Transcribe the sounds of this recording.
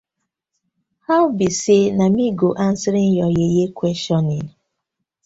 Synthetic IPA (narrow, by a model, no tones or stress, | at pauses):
haʊbisenamiɡoʔan̩saɾɪn̩jɔjejekʷwɛstɔnɪn